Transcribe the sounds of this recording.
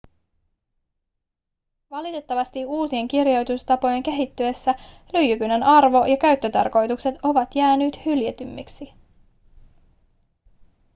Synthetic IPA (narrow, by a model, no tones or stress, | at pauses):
ʋɑlit̪e̞t̪ːɑʋɑst̪iuːsie̞ŋkirjo̞jt̪ust̪ɑpo̞je̞ŋke̞ɦit̪ːye̞sːæ | lyjykynenʔɑrʋo̞jɑkæɥt̪ːø̞t̪ɑ̰rko̞jt̪ukse̞t̪o̞ʋɑt̪jæːnyːt̪hyljet̪ymːiksi